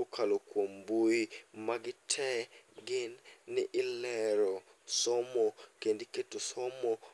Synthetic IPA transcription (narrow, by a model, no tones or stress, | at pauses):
okʰalokwomboimaɡɪtʰɛɡɪnːɪʔɪlɛɾɔ | sɔmɔkendiketosɔmɔ